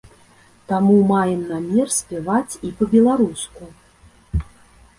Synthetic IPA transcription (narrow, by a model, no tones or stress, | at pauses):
t̪amumajɛmnamʲɛrsʲpʲavat͡sʲipɐbʲɛlˠaɾusku